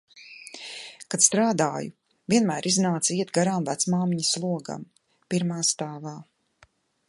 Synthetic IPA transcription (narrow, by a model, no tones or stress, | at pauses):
kat̪st̪ɾaːd̪aːjṵ | viɛnmæːɾʔiznaːt̪siɛt̪ɡaɾaːmvæt̪smaːmiɲslˠuɔɡa̰m | piɾmaːst̪aːvaː